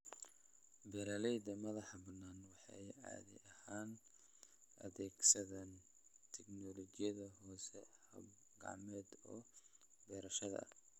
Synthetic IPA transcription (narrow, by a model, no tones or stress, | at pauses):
bɛɾɐlɛjd̪ɐmɐðɑħɑbɐnːaːnwɑħɑ̰jʕɑ̰ːðɪ̰ʔɐhaːn | ʔɐ̰ðɛːɡsɐðɐn | t̪ʰɛknɔlɔɡɪjɐðɐhɔːsɛhɐ̰b | ɡɑ̰ʕmɛːd̪ɔː | bɛːɾɐʃɐðɐ̰